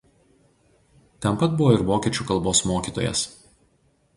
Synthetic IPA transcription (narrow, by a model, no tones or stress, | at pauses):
t̪ʲɛnpɐt̪̚bʊʋoːɪɾʋoːkʲiɛt͡ʃʲuːkɐlˠboːsmoːkʲiːt̪o̰ːjɛ̰s